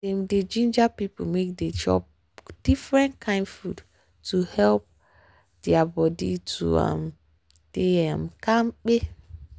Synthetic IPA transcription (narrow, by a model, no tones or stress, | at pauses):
emded͡ʒĩnd͡ʒapipo̰mek̚ded͡ʒɔ̰p̚ | d̥ifɾɛ̃nkʰãɪ̃nfud | tʰuhɛlp̚ | d̥iabɔdḭtʰṵa̰m | d̥eamkʰãmk͡pe